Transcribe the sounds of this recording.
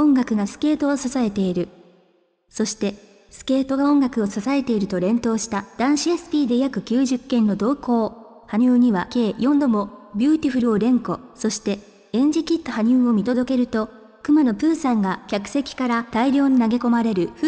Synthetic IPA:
õ̞ŋɡakɯ̟ɡasɨ̥ke̞ːt̪o̞ːsasae̞t̪e̞iɾɯ̟ | so̞ɕi̥t̪e̞ | sɨ̥ke̞ːt̪o̞ɡaõ̞ŋɡakɯ̟o̞sasae̞t̪e̞iɾɯ̟t̪o̞ɾẽ̞nt̪o̞ːɕi̥t̪ad̪̥ãɰ̃ɕiesɨ̥pʲiːd̪e̞jakɯ̟kʲɨːʑɨkːẽ̞nːo̞d̪o̞ːko̞ː | haɲ̟ɨːɲ̟iβake̞ːjõ̞nd̪o̞mo̞bʲɨːt̪ʲiɸɯ̟ɾɯ̟o̞ɾẽ̞ŋko̞so̞ɕi̥t̪e̞ | ẽɲ̟d͡ʑikʲit̪ːohaɲ̟ʲɨːo̞mʲit̪o̞d̪o̞ke̞ɾɯ̟t̪o̞ | kɯ̟mano̞pɯ̟ːsãŋɡakʲakɯ̟̥se̞kʲi̥kaɾat̪aiɾʲo̞ːɲ̟inaɡe̞ko̞maɾe̞ɾɯ̟ɸ

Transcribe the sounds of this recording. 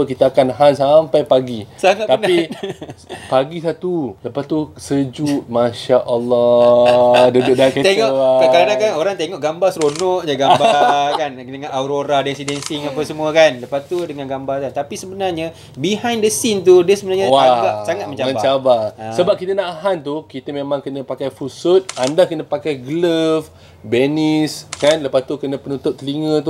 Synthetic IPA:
əkit̪aakanɦansampajpaɡisaŋat̪̚t̪anain | paɡisat̪uləpast̪usəd͡ʒut̪̚mãʃaʔəlːɔ | dudʊʔ̚daket̪eŋɔʔakaɾanakanoɾaŋt̪eŋɔʔɡambasɾonɔʔd͡ʒaɡabakan | dəŋãnauɾoɾadɛnsidɛnsiŋapasəmũakanləpat̪udəŋanɡambarkant̪apisəbənarɲa | biɦãjndəsint̪̬udəsəbənarɲəwaɡaʔsaŋat̪̚məɲt͡ʃamə̃ɲbat͡ʃabasəbap̚kit̪ənaʔɦant̪ukit̪əmẽmãŋkənəpakajfusʊt̪̚andakənəpakajɡələf | beniskanləpast̪ukənə̃pənut̪ʊp̚k̪əliŋə̃t̪u

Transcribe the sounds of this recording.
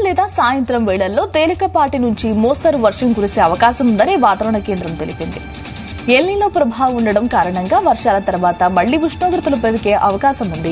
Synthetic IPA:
lɛːd̪aːsaːjɐnt̪ɾɐmʋɛːɭɐlːo̞ːt̪eːlikɐpaːɾʈinuɲt͡ʃimoːst̪ɐɾuʋɐɾʂɐmɡuɾiseːɐʋɐkaːʃɐmund̪ɐneːʋaːt̪ɐːʋɐɳɐke̞ːnd̪ɾɐmt̪e̞lipind̪ḭ | elːiloːpɾɐbʱaːʋɐmuɳɖɐɽɐmkaːɾɐɳɐŋɡaːʋɐɾʂaːlɐt̪ɐɾɐʋaːt̪ɐmɐɭːiʋuʂɳoːɡ̪ɾɐt̪ulupɾɐd̪ikeːʔɐʋɐkaːʃɐmund̪i

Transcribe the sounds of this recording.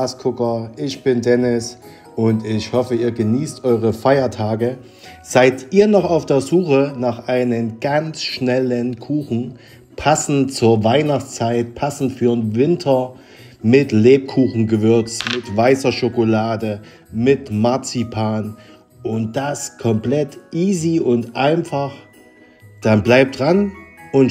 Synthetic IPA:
askʰʊkɐʔɪçb̥ɪndɛnɪs | ʔʊntɪçhɔfəiːɐɡəniːstʔɔʏʁ̞əfaɪɐtʰaːɡə | z̥aɪtʔiːɐnɔχaʊfd̥eːɐzuːxənaːχʔaɪnənɡ̥ant͡sʃnɛlənkʰuːxn̩ | pʰasn̩tt͡suːɐvaɪnaχt͡st͡saɪt̚pʰasn̩tfyːnvɪntʰɐ | mɪtleːp̚kʰuːxn̩ɡəvʏɐt͡smɪtv̥aɪsɐʃokolaːdə | mɪtmaɐt͡sipʰaːn | ʔʊnt̚d̥askʰɔmplɛtʔiːziʔʊntʔaɪnfaχ | d̥anblaɪp̚d̥ʁanʊn

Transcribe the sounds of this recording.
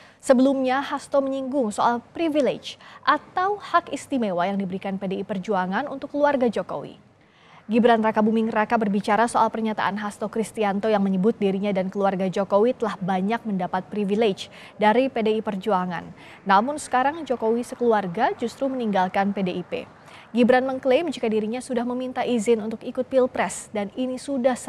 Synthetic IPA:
səbəlumɲahast̪oməɲiŋɡʊŋsoʔalpɾiviled͡ʒʔat̪awhakist̪imewajaŋdibəɾikanpedeipərd͡ʒuaŋanṵnt̪ʊkːəluarɡad͡ʒoko̰wḭ | ɡibɾanrakabumɪŋrakabərbit͡ʃaɾasoalpərɲat̪a̰ʔanɦast̪okɾist̪iant̪ojaŋməɲəbʊt̪̚diɾiɲadankəluarɡad͡ʒokowit̪əlahbaɲak̚məndapat̪̚pɾiviled͡ʒ | daɾipedeipərd͡ʒuaŋa̰nː | amʊnsə̥kaɾaŋd͡ʒokowisəkəluarɡad͡ʒust̪ɾuməniŋɡalkanpedeʔipḛ | ɡibɾanməŋklemd͡ʒikadiɾiɲasudahməmint̪aʔizɪnunt̪ʊkikʊt̪̚pilpɾɛsdaninisudahs

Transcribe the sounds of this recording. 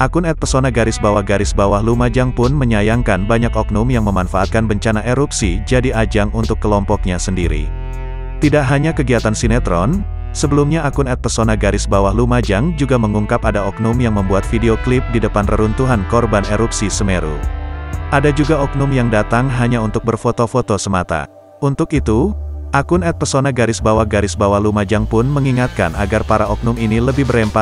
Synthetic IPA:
ʔakʊnɛt̪̚pərsonaɡaɾɪsbawahɡaɾɪsbawahlumad͡ʒaŋpʊnməɲajaŋkanbaɲakɔk̚numjaŋməmanfaʔat̪̚kanbəɲt͡ʃanaʔeɾupsid͡ʒadiad͡ʒaŋunt̪ʊkːəlɔmpɔk̚ɲasəndiɾḭ | t̪idaʔɦaɲakəɡiat̪ansinɛt̪ɾɔn | səbəlumɲaakʊnɛt̪̚pərsonaɡaɾɪsbawahlumad͡ʒaŋd͡ʒuɡaməŋuŋkapadaɔknʊmjaŋməmbuat̪fideoklɪp̚didəpanrəɾunt̪uɦankɔrbaneɾupsisəmeɾṵ | ʔadad͡ʒuɡaɔk̚nʊmjaŋdat̪aŋɦaɲaunt̪ʊk̚bərfot̪ofot̪osəmat̪a̰ | unt̪ʊkit̪uʔakʊnɛt̪̚pərsonaɡaɾɪsbawahɡaɾɪsbawahlumad͡ʒaŋpʊnməŋiŋat̪̚ka̰naɡarpaɾaɔk̚nʊminiləbɪhbəɾɛmpa

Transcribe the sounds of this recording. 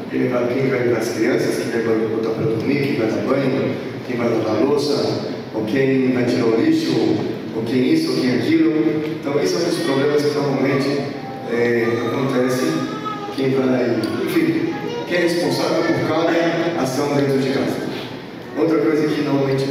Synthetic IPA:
kẽɛkaɾʊkẽj̃vajvpaɐskɾiɐ̃sɐskẽɡaɾʊkot̪apɾɐd̪uɾmĩkẽj̃vajd̪abɐ̃j̃ʊ | kẽj̃vajlab̪alosɐ | okẽj̃vajt͡ʃiɾɐolist͡ʃiko | okẽj̃isʊokẽj̃ɛkilʊẽnt̪ɐ̃w̃isɐ̃w̃d̪ʊspɾoblẽmɐskɪnoɾmawmẽnt͡ʃɪ | ɛakõnt̪ɛsɪ | kẽj̃vapʊɾkɪkẽɛhespõsavewɛ̃kaɾɛasɐ̃w̃d̪ẽt̪ɾʊd͡ʒɪkazɐ | owt̪ɾɐkojzɐkɪnoɾmawmẽnt͡ʃɪ̥

